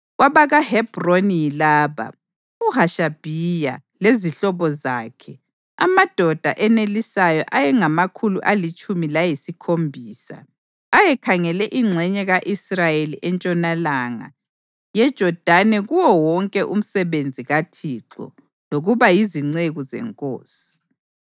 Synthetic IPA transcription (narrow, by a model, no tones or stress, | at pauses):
ɣwaβaɣahɛb̥roniilaːβa̰ | uhaʃab̥ʱijaleziɬɔβɔza̰ːkʰɛ | a̰mad̥ʱɔd̥ʱa̰ʔɛnelisajɔ̰ʔajɛŋamakʰuluʔalit͡ʃʼumilajisikʰombʱiːsa̰ | ajɛkʰaŋɛlɛʔiŋ͡ǀʱɛɲɛɣaʔisrajeliʔɛnt͡ʃʼɔnalaŋa̰ | jɛd̥ʒ̥ʱɔd̥ʱanɛɣuwɔwɔŋkʼɛʔum̩sɛβend͡zʱiɣatʰiǁɔ̰ | loɣuβajiziŋ͡ǀeɣuzɛ̰ŋkʼo̰ːsi̥